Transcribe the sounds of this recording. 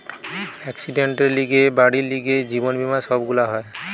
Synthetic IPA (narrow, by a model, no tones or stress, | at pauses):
ɛksiɖeɳʈeliɡebaɽiliɡed͡ʑibɔnbimasɔbɡulaɦɔj